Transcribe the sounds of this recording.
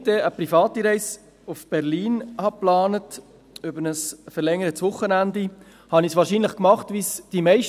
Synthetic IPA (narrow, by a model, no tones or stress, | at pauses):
d̥ɛəpɾifɑːtːiɾɛɪs | ufb̥ɛɾliːnhɑplɑːnət | ʏbəɾnəsfɛɾlɛŋəɾətsʋʊχːənændi | hɑnisʋɑːɾʃiːnləχkmɑχtʋisd̥imɛɪʃ